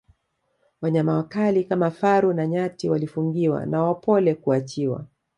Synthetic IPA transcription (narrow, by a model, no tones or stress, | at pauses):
waɲamawakalikamafaɾunaɲatiwalifuŋɡiwa̰nawapɔlɛkuat͡ʃiwa̰